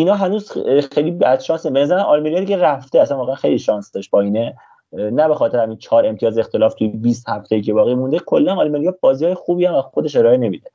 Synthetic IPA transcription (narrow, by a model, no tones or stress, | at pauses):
inɒːɦænuːzxejlibæd̪̥ʃɒːnsebe̞næzæɾænɒlmeɾijɑːd̪iɟeræft̪eæsænvɒːɣeænxejliʃɒːnsd̪ɒʃt̪̚b̥ɒine | næbe̞xɒːt̪ʰe̞ɾhæmiːnt͡ʃʰɒːɾe̞mt̪iɒːzext̪ʰe̞lɒːft̪ʰujebiːst̪hæft̪ʰejiːcʰebɒːɣijmund̪ekʰo̞lːænɑlmeɾijɒːbɒːzihɒːjexuːbiːænvæxo̞d̪e̞ʃe̞ɾɒːene̞mid̪e